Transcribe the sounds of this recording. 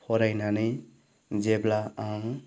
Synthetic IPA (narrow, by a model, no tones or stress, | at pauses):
pʰɔɾajnanɯj | d͡ʒeblaaŋ